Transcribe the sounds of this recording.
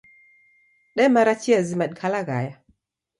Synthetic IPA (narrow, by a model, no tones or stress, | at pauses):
ɗɛmaɾat͡ʃiazimaɗ̚kʰalaɣa̰ja